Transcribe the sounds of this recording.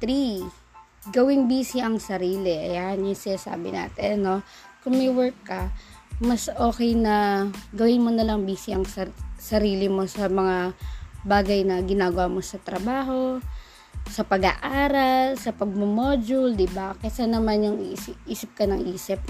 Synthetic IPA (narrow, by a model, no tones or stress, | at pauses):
t̪ɾi | ɡɐwɪŋbiːsɪʔɐŋsɐɾiːlɪʔɐjanjʊŋsɪnaːsa̰ːbɪ̰na̰ːt̪ɛɐno̞ | kʊŋmɛjwɛɹkːɐ | mɐsʔo̞ːkɛjnɐɡɐwɪnmonɐlɐŋbiːsɪɐŋssɐɾiːlɪmo̞sɐmɐŋabaːɡɐjnɐɡɪnaːɡɐwamo̞sɐt̪ɾɐbaːɦo̞ | sɐpɐɡa̰ʔaːɾɐlsɐpɐɡ̚momoːd͡ʒʊld̪ɪbakɐsanɐmanjʊŋisɪʔiːsɪp̚kɐnɐŋʔiːsɪp̚